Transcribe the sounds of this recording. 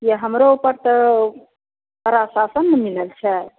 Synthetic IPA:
jeɦɐmɾopɐɾt̪ə | ɐɾaːsaːsɐnːəmiləlt͡ʃʰɛ

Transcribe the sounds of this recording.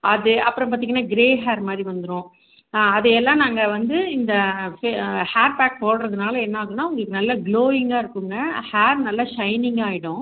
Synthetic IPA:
ʔɐðɯɐpːɯɾɐ̃mp̬aːɾt̪iŋɐnːaːɡɪɾeːɦaːɾmaːd̪ɾiʋɐnd̪ɯɾõː | ɐðɯɛlːãːnaːŋɡɐʋɐnd̪ɯɪnd̪ɐfehaːɾpaːk̚poːɽɾɐðɯnaːlɐɛnːɐaːɣɯnːaːʊŋɡɐɭkːɯnɐlːɐɡloːɪŋɡaːɪɾɯkːɯŋɡɐhaːɾnɐlːɐʂɐɪnɪŋɡaːjɪɽʊ̃

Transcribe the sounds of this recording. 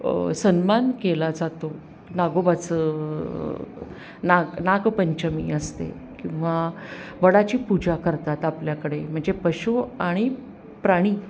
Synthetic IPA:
sənmankelad͡zat̪o | naɡobat͡səː | naɡnakpəɲt͡ɕəmḭəst̪ḛkĩw̃ʋaʋəɽat͡ɕiːpud͡ʑakəɾt̪at̪apljakəɽem̤əɳd͡zepəɕuaɽ̃i | pɾaɽ̃iː

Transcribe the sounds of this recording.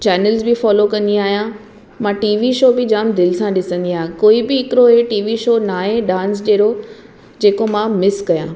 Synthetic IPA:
t͡ɕɛːnəlzbɪfɔːlokɐ̃nd̪iaːɦijã | mãʈiːʋiʃoːbɪd͡ʑaːmd̪ɪlɪsãɗɪsə̃nd̪iaːɦjãkoːibɪɦɪkɪɾoɦeʈiːʋiʃoːnaːɦẽɖãːnsɗeːɾo | d͡ʑeːkomãmɪskɐjãː

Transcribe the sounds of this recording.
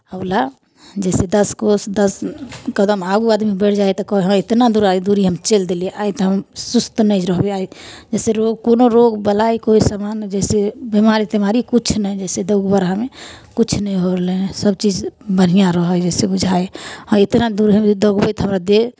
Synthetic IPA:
əla | d͡ʒɛsed̪əskosd̪əskəd̪əmaɡuad̪mibəɽʰd͡ʒajt̪ɔkɔɦɦə̃et̪nad̪uɾaid̪uɾiɦəmt͡ʃeld̪elieʔajt̪ɔɦəmsust̪nəd͡ʒɾəɦbeaid͡ʒɛseɾoɡkonoɾoɡbəlaikoisamand͡ʒɛsebimaɾit̪emaɾikut͡ʃʰnəjd͡ʒɛsed̪əɡbəɾamekut͡ʃʰnəjɦoɾlesəb̚t͡ʃid͡ʒbənijaɾəɦəd͡ʒɛsebud͡ʒʱaeɔɾet̪nad̪uɾɦəmd̪əɡbəjt̪ɦəmɾad̪e

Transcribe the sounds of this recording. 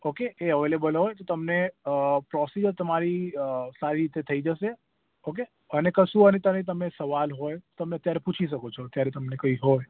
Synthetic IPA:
okeeəʋelebəlɦojt̪ot̪əmnepɾɔsid͡ʒəɾt̪əmaɾisaɾiɾit̪et̪ʰəid͡ʒəʃe | oke | ənekəʃũənet̪ənet̪̬əmesəʋalɦojt̪əmneət̪jaɾeput͡ʃʰiʃ̬əkot͡ʃʰɔt̪jaɾet̪əmnekəiɦoj

